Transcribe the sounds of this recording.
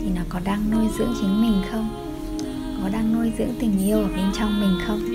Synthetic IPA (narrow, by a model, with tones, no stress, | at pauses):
t̪ʰi˨˩nɔ˨˦kɔ˨˦ɗaː˧ŋno˧jzɨ̰˧˥əŋt͡ɕi˨˦ŋ̟mï˨˩ŋ̟xə˧wŋ͡m | kɔ˨˦ɗaː˧ŋno˧jzɨ̰˧˥əŋt̪ï˨˩ŋ̟ʔi˧əwʔəː˨˩ɓe˧nt͡ɕɔ˧wŋ͡mmï˨˩ŋ̟xə˧wŋ͡m